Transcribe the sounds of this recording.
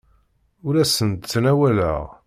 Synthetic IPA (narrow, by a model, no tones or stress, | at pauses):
ʊɾæsənt̪t͡sːnæwælə̰ʁ